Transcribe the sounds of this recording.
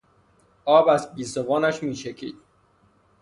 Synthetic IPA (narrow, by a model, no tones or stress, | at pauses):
ɒːbæzbiːsovɒːnæʃmiːʃecʰḭːd̪̥